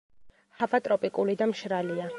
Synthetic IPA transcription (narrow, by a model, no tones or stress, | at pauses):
havat̪ʼɾɔpʼikʼulid̪amʃɾalia